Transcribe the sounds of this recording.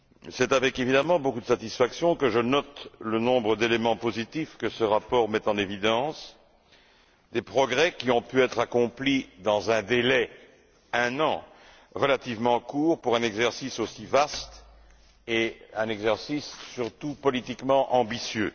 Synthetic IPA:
sɛt̪avɛkevid̪amɑ̃bokud̪əsat̪isfaksjɔ̃kəʒənɔt̪lənɔ̃bʁəd̪elemɑ̃pozit̪ifkəsəʁapɔʁmɛt̪ɑ̃nevid̪ɑ̃s | d̪epχɔɡʁɛkʲiɔ̃pyɛt̪χakɔ̃plid̪ɑ̃zɛ̃d̪elɛ | ɛ̃nɑ̃ | ʁəlat̪ivmɑ̃kuːʁpuʁɛ̃nɛɡzɛʁsisosivast̪ | eɛ̃nɛɡzɛʁsisːyʁt̪upɔlit̪ikmɑ̃ʔɑ̃bisjø

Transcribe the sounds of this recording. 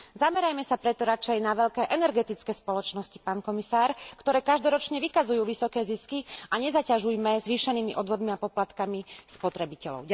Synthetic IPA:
zamɛɾajmɛsapɾɛt̪ɔɾat͡ʃɛjnaʋɛʎkɛːʔɛnɛɾɡɛt̪it͡skɛːspɔlɔt͡ʃnɔsci̥paːnkɔmisaːɾkt̪ɔɾɛːkaʒd̪ɔɾɔt͡ʃɲɛʋikazujuːʋisɔkɛːziskiaɲɛzacaʒujmɛzʋiːʃɛniːmiʔɔd̪ʋɔd̪miapɔplat̪kamispɔt̪ɾɛbicɛlɔ̰ʊ

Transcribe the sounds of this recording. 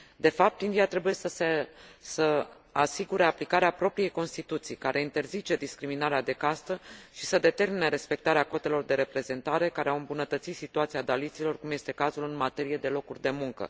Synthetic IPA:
d̪e̞fap̚t̪ind̪iat̪ɾe̞buje̞səsesə | asiɡuɾe̞aplikaɾeapɾo̞pɾije̞jko̞nst̪it̪ut̪sijkaɾʔe̞int̪e̞rzit͡ʃe̞d̪iskɾiminaɾead̪e̞kast̪əʃi̥səd̪e̞t̪e̞rmineɾe̞spe̞k̚t̪aɾeako̞t̪e̞lo̞rd̪e̞ɾe̞pɾe̞ze̞nt̪aɾe̞kaɾeawɨmbunət̪ət̪sit̪sit̪uat̪siad̪alit̪silo̞rkumje̞st̪e̞kazulɨnmat̪e̞ɾije̞d̪e̞lo̞kurʲd̪e̞muŋkə̰

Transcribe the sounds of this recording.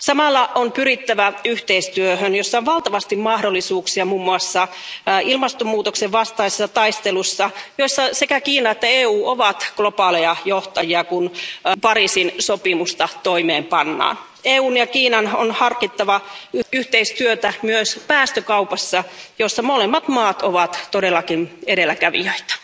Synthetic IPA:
sɑmɑlːɑonpyɾit̪ːæʋæyht̪eist̪yøhønjosːɑonʋɑlt̪ɑʋɑst̪immɑhdolːisuːksiɑmuːmːuɑsːɑ | ilmɑst̪omuːt̪okseʋʋɑst̪ɑise̥sːɑt̪ɑist̪elusːɑjoisːɑsekækiːnɑet̪ːæeːuːʔoʋɑt̪ɡ̥lo̞pɑːlejɑjoht̪ɑjiɑkunpɑɾisinsopimust̪ɑt̪oimeːmpɑnːɑ̰ːn | eːuːnjɑkiːnɑnonhɑrkit̪ːɑʋɑyht̪eist̪yøt̪æmyøspæːst̪økɑuwpɑsːɑjosːɑmolemːɑt̪mɑːt̪oʋɑt̪todelːɑkinedelːækæʋḭøit̪æ̥

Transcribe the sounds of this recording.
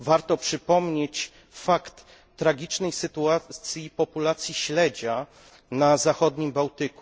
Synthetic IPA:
vaɾt̪ɔpʂɘpɔmɲet͡ɕ | fakt̪ː | ɾaɡʲit͡ʂnɛjsɘt̪uat̪sʲjipɔpulat̪sʲjiɕlɛd͡ʑa | nazaxɔd̪ɲimbawt̪ɘku

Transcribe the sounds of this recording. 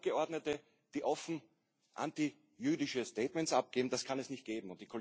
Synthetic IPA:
ɡ̥əɔɐdnətə | d̥iːʔɔfn̩ | ʔã̰nti | jyːdɪʃəsteːtmɛntsʔap̚ɡ̥eːbm̩d̥askʰanɛsnɪçt̚ɡ̥eːbm̩ʊnt̚d̥ikʰol

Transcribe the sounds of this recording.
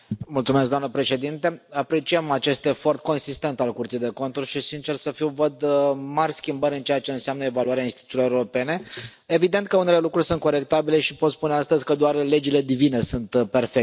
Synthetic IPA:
mult̪sumesɡd̪amnəpɾe̞ʃe̞d̪int̪e̞apɾe̞t͡ʃiemat͡ʃe̞st̪efo̞rt̪̚ko̞nsist̪e̞nt̪alkurt̪sijd̪e̞ko̞nt̪urʲʃisint͡ʃe̞rsəfiwvəd̪marʲskʲimbəɾʲɨnt͡ʃejət͡ʃe̞ɨnseamnəevaluaɾeainst̪it̪uiloeɾeɾope̞ne̞ | evid̪ent̪̚kəunelelukɾurʲsunt̪̚ko̞ɾe̞k̚t̪abile̞ʃipo̞t̪spuneast̪əzʲkəd̪oarle̞d͡ʒile̞d̪ivine̞sunt̪pe̞rfek̚

